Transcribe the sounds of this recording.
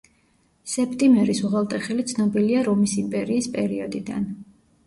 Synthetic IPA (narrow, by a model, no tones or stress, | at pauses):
sɛpʰt̪ʼimɛɾisuʁalˠt̪ʼɛχɛlit̪sʰnɔbiliaɾɔmisimpʼɛɾiːspʼɛɾiɔd̪id̪a̰n